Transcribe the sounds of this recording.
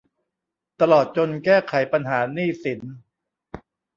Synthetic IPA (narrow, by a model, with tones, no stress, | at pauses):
t̪a˧lɔː˨˩t̪̚t͡ɕo˧nkɛː˥˩kʰa˨˩˦jpa˧nɦaː˩˦niː˥˩si˩˦n